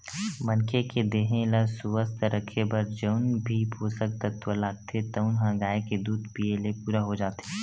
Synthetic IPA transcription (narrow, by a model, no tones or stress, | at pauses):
mɐnkʰeked̪eːɦẽlasuʋəst̪ɾʔəkʰebɐɾd͡ʒəʊnbʱipʰoːsək̚t̪ək̚t̪wəlaːɡ̚t̪ʰet̪ɐʊnɦãɡaːeked̪uːd̪pielepuːɾaɦod͡ʒaːt̪e